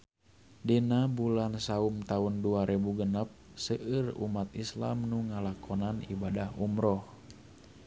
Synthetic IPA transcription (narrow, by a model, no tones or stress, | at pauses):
dinabulansaumt̪aunduaɾʔɛbuɡənap̚səʔɨrṵmat̪isla̰mnuŋalakʰɔnanḭbadahumɾɔh